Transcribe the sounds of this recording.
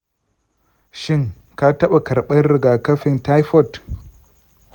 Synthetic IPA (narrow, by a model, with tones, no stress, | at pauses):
ʃɪ˦ŋ | ka˦tɐ˦ɓa˨kɐ˨ɾɓɐ˦nɾɪ˨ɡaː˨kɐ˦ɸɪ˨nta˦jɸɔ˦˨t